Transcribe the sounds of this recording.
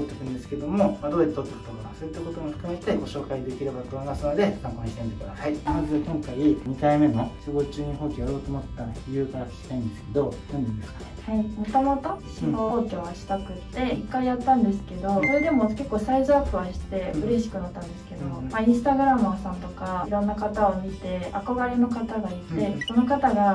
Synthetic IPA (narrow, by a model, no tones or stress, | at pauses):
ot̪ːekɯ̟̃nd̪e̞sɨ̥ke̞d̪o̞mo̞mad̪oːjat̪ːt̪ot̪ːekɯ̟t̪okakaso̞ːjit̪ːako̞t̪omoɸɯ̟̥kɯ̟me̞t̪e̞ɡo̞ɕo̞ːkaid̪e̞kʲiɾe̞bad̪oanasoad̪e̞kãpaɲiɕit̪end̪ok̪oɾohait̪ːazɨakõ̞ŋkaiɲ̟ikaime̞no̞sibo̞ːt͡ɕɨːɲ̟iɦoːkʲojaɾo̞ːt̪oːmot̪ːaɾaçijɯ̟ːkaɾakɕi̥t̪aĩnd̪e̞sɨ̥ke̞d̪o̞j̪õnd̪end̪eskan | haimot̪o̞mo̞t̪o̞ɕihooːkʲoβaɕi̥t̪akɯ̟t̪ːe̞ikːaijat̪ːãnd̪e̞sɨ̥ke̞d̪o̞soɾe̞d̪e̞mo̞ke̞kːo̞ːsaizaːpɯ̟βaɕi̥t̪e̞ɯ̟ɾe̞ɕi̥kɯ̟nat̪ːãnd̪e̞sɨ̥ke̞d̪omaĩsɨ̥t̪aɡɯ̟ɾamsãnt̪o̞kaiɾõ̞nːakat̪aomʲit̪e̞ako̞ɡaɾe̞no̞kat̪aɡait̪e̞ko̞no̞kat̪aɡa